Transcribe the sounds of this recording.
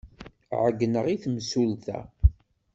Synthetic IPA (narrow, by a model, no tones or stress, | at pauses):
ʕəɡːənəʁiθmsulθæ̰